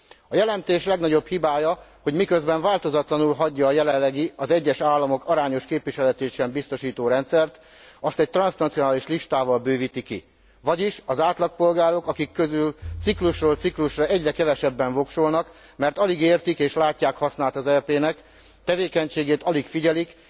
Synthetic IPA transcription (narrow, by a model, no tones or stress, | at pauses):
ɒjɛlɛnt̪eːʃlɛɡnɒɟo̞bhibaːjɒho̞ɟmikø̞zbɛɱvaːlt̪o̞zɒt̪lɒnulɦɒɟːɒːjɛlɛlːɛɡiɒzɛɟːɛʃaːlːɒmo̞kɒɾaːɲo̞ʃkeːpʋiʃɛlɛt̪eːʃɛmbist̪o̞ʃiːt̪oːɾɛnt̪sɛrt̪ | ɒst̪ɛc̚t̪rɒnsnɒt̪sionaːliʃliʃt̪aːvɒlbøːvit̪ikḭ | vɒɟiʃɒzaːt̪lɒk̚po̞lɡaːɾo̞kɒkikːøzylt̪sikluʃroːlt̪sikluʃrɒʔɛɟrɛkɛvɛʃɛbːɛɱvo̞kʃolnɒk | mɛrt̪ɒliɡeːrt̪ikeːʃlaːcːaːkhɒsnaːlt̪ɒzɛrpeːnɛk | t̪ɛveːkɛɲt͡ʃeːɡeːt̪ɒlikfiɟɛlik